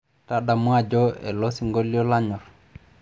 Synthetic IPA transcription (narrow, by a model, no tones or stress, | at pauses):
tadamwad͡ʒɔɛ̰losiŋɡoliɔlaɲɔɾ